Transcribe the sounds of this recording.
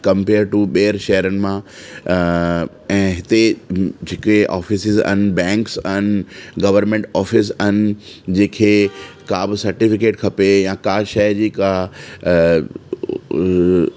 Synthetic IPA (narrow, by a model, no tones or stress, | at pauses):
kɐ̃mpeːɾɖʈuɓeːəɾʃɐɦəɾənɪ̆mã | ɛ̃ːɦɪt̪ed͡ʑeːkeʔa̰ːfisɪzɐ̰nɪ̆bɛ̃ːŋksɐnɪ̆ɡɐʋəɾmẽɳʈaːfɪs̬ɐnɪ̆d͡ʑeːkʰeː | kaːbɪsɐɾʈɪfɪkeːʈkʰɐpejãkaːʃɐjd͡ʑiːka